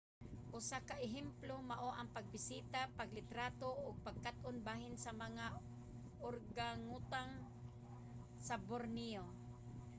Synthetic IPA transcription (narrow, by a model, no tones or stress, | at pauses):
ʔʊsakaʔɪɦɛmplomaʔoʔaŋpaɡ̚bɪsiːt̪apaɡlɪt̪ɾaːt̪oʔʊɡ̚paɡ̚kat̪ʔʊnbaːɦɪnsamaŋa | ʔʊɾɡaŋut̪aŋ | saboɾnio